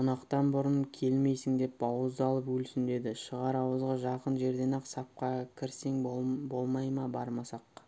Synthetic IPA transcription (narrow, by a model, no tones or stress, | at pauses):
ʊnɑqt̪ɑnbʊɾənkʲʰe̞lme̞jsɪŋd̪e̞pbɑwəzd̪ɑlˠəpwɵlsɪnd̪e̞d̪ɪʃəʁɑɾɑwəzʁɑʒɑqənʒe̞ɾd̪e̞nɑqsɑp̚qɑkʲʰɪɾse̞ŋbo̞lˠmɑjmɑbɑɾmɑsɑq